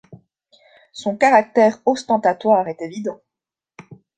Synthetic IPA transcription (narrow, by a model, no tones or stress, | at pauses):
sɔ̃kaʁak̚t̪ɛʁɔst̪ɑ̃t̪at̪waːʁɛt̪evid̪ɑ̃